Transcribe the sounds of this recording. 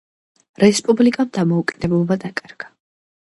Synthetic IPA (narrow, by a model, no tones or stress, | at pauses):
ɾɛspʼublikʼamd̪amɔukʼid̪̥ɛblˠɔbad̪akʼaɾɡ̥a